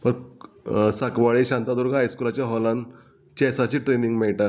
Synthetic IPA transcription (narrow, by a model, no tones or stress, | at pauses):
pəɾ | sakʋaɭeɕãnt̪ad̪ɔɾɡʱɦajskulat͡ɕjaɦɔlãn | t͡ɕɛsat͡ɕiːʈɾeniŋɡmɛɭʈa